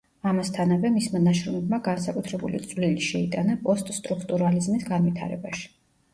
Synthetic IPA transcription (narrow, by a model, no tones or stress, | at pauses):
amast̪ʰanavɛmismanaʃɾɔmɛbmaɡansakʼut̪ʰɾɛbṵlḭt̪sʼvliliʃɛit̪ʼanapʼɔst̪ʼst̪ʼɾukʰt̪ʼuɾalizmisɡanvit̪ʰa̰ɾɛ̰baʃi̥